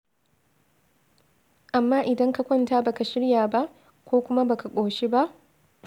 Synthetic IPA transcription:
ʔa˨mːaː˦ʔɪ˨dɐ˦ŋka˨kʷɔ˦˨ntaː˦ba˨ka˨ʃɪ˦ɽjaː˨ba˦ʔ | kʷoː˦kʷʊ˦ma˦ba˨ka˨kʷʼoː˨ʃi˦ba˦ʔ

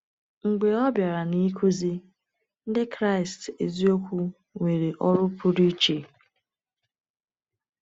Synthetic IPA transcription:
ŋ͡m̩˨ɡ͡be˨ɔ˦bja˨ɾa˨ni˦kʰu˦zi˦ | n̩˦dɪ˦kɾa˦˨ɪ˨ste˨zi˦o˦kʷu˦ | ŋʷe˨ɾe˨ʔɔ˦ɾʊ˦pʊ˦ɾi˦t͡ʃe˨

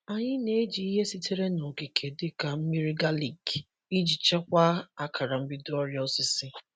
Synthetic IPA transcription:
a˨ɲɪ˦ne˦d͡ʒi˨i˦ɦe˦si˦tʰe˦ɾe˦no˨ki˨kʰe˨dɪ˦ka˨m̩˦mi˦ɾi˦ɡa˦li˨ɡ | i˦d͡ʒi˨t͡ʃe˦kʷa˦a˦kʰa˨ɾa˨m̩˦bɪ˦dʊ˦ɔ˦ɾjɔ˦si˦sɪ˦

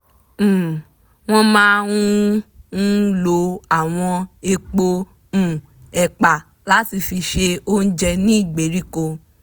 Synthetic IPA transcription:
w̃ɔ̃˧mãː˦ũ˦ | lo˨˦a˨w̃ɔ̃˧e˧k͡põ˧˨ | ɛ˨k͡pa˨ | la˨˦ti˧fi˧ʃe˧o˦n̩˦d͡ʒɛ˧nĩ˦i˦˨ɡ͡be˨˦ɾi˦ko˧

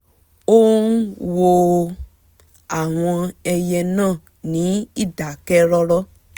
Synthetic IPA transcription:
o˦wo˨ | a˨w̃ɔ̃˧ɛ˨jɛ˧nã˦˨ | nĩ˨˦i˦da˨kɛ˦ɾɔ˦lɔ˦

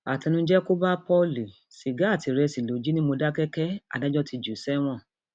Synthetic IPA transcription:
a˨tɛ˧nũ˧˦d͡ʒɛ˦ko˦ba˦pɔ˦li˨ | ʃi˨ɡa˨˦˨ti˨˧ɾɛ˧si˨lo˨˦d͡ʒi˦nĩ˦mo˧da˦kɛ˦kɛ˦a̰˦˨da˨˦d͡ʒɔ˦ti˧d͡ʒu˨˦sɛ˦w̃ɔ̃˦˨

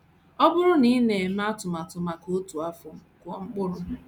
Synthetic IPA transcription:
ɔ˦bʊ˦ɾʊ˦ni˦ne˨m˦a˦tʊ˨ma˨tʊ˨ma˨ko˦tu˨a˦fʊ˨kʷɔ˨ŋ͡m̩˦k͡pʊ˦ɾʊ˦

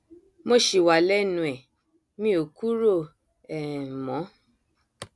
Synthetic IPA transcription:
mo˦˨ʃi˨wa˨lɛ˦nũ˧˨ɛ˨ | mĩ˦o˨ku˦ɾo˦˨ | ɛ˨mɔ̃˨˦

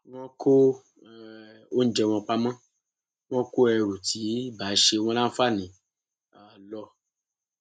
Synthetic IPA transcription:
ŋɔ̃˦kʰo˦˨ | o˦n̩˦d͡ʒɛ˧w̃ɔ̃˧k͡pa˦mã˦ | ñɔ̃˦ko˦ɛ˨ɾu˨ti˨˦ba˨˦ʃe˧˦w̃ɔ̃˦lã˦fa˦nĩ˨ | a˨lɔ˧

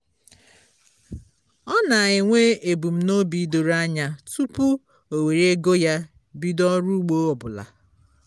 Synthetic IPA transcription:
ɔ˦na˨a˨ɲɪ˨ŋʷe˦e˨bu˨m̩˦no˦bi˦do˨ɾa˦ɲa˨tu˦pu˦ | o˨we˨ɾe˦ɡo˦ja˦ | bi˦dɔ˦ɾu˦ɡ͡bo˦ɔ˨bʊ˨la̰˨

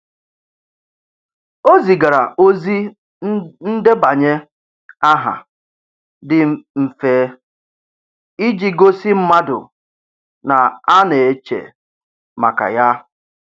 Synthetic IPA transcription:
o˦zi˨ɡa˨ɾa˨ʔo˦zi˦ | n̩˦de˦ba˨ɲe˦ | a˦ɦa̰˨ | dɪ˦m̩˨feː˦ | i˦d͡ʒi˦ɡo˦si˦m̩˦ma˦dʊ̰˨ | na˨a˦ne˨e˨t͡ʃḛ˨ | ma̰˨ka̰˨ja˦

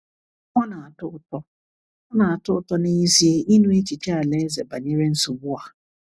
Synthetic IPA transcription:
ɔ˦na˨a˨tʊ˦ʊ˦tɔ˦ | ɔ˦na˨a˨tʊ˦ʊ˦tɔ˦ni˦i˦zi˦e˦ʔi˦nũ˦e˦t͡ʃi˨t͡ʃe˦a˨le˦ze˨ba˨ɲe˦ɾe˦n̩˦su˨bʊ˦a˨

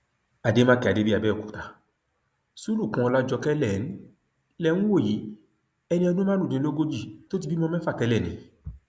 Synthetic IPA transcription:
a˨de˦mã˦kɛ˨a˨de˦bi˦a˧bɛː˦˨ku̥˨ta˨ | su˦lu˦˨kã˧˦ɔ˧la˦d͡ʒɔ˧kɛ˦lɛ˦˨˦n̩˦ | lɛ˦˨nũ˦wo˦˨ji˨˦ | ɛ˧nĩ˧ɔ˧dũ˦mãː˦nũ˦˨dĩ˨˦o˦ɡo˦d͡ʒi˦˨to˦t̬i˧˨bi˦mɔ̃˦mɛ̃˦fa˦˨tɛ˧˦lɛ˦˨nĩ˨˦

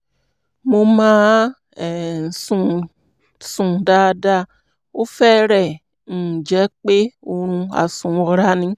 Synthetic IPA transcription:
mo˧˦mãː˦˨ | n̩˨sũ˧˨ | sũ˨da˧˦˧da˧ | o˦fɛ˦ɾɛ˨ | n̩˨d͡ʒɛ˨˦k͡pe˦o˧ɾ̃ũ˧a̰˨sũ˨o˧ɾa˦nĩ˧˦

